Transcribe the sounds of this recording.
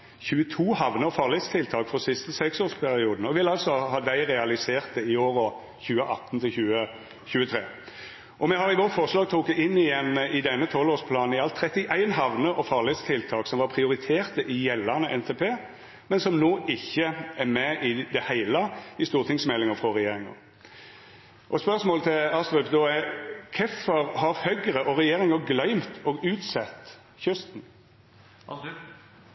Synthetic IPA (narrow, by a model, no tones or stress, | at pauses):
çʉːət̪ʰuːhɑʋnəɔfɑːlɪt̪st̪ʰɪlt̪ʰɑːkfɔsɪst̪əsɛksoːspʰæɾɪuːd̪n̩ɔʋɪlːɑlsɔhɑːd̪æɪɾɛɑlɪseːʁt̪̚d̪ɛɪoːɾɔ | çʉːəʔɑt̪ːnt̪ʰɪlçʉːə | çʉːət̪ʰɾeː | ʔɔmɛɦɑɾʁɪʋɔt̪fɔʁʂlɑːɡ̚t̪ʰuːkd̪ɪnːɪjɛnːɪd̪ɛnːət̪ʰɔlːoːspʰlɑːnn̩ɪɑlt̪ʰɾɛt̪ːɪʔæɪnɦɑʋnəʔɔfɑːʁlɪt̪st̪ʰɪlt̪ʰɑːksɔmʋɑʁpʰʁɪʊʁɪt̪ʰeːʁt̪əʔɪjɛlːænəʔɛnt̪ʰeːpʰeː | mɛnsɔmnoːʔɪçːəæɾmɛɪd̪ɛhæɪləɪst̪uːʁt̪ʰɪŋsmɛlːɪŋəfʁɔʁɛjeːɾɪŋə̰ | ʔɔspœʁsmoːlət̪ʰɪlɑst̪ʁœpd̪oːækʰɛfɔɾhɑɾhœɡəɾəʔɔɾɛjeːɾɪŋəɡlœʏmt̪ɔɡʉːt̪sɛt̪ː | çʏst̪n̩